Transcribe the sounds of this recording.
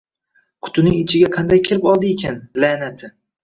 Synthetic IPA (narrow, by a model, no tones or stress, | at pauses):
kʰʊ̥t̪ʊnɪŋɪt͡ʃʰɪɡʲaqʰɑnd̪ajkʲʰelɪpɒlˠd̪ɪekʲʰanlanat̪ʰɪ